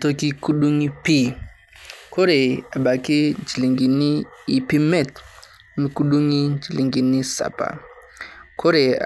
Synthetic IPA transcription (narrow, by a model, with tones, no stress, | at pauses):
to˦ki˦ku˦ɗu˦ŋi˦pi˦ | ko˦ɾe˨a˨ɓa˨ki˦d͡ʒi˨li˨ŋɡi˨ni˦i˨pi˦mɛ˦˨t | mi˦ku˦ɗu˦ŋi˦nd͡ʒi˨li˨ŋɡi˨ni˦sa̰˨pa̰˨ | ko˦ɾe˨a̰˨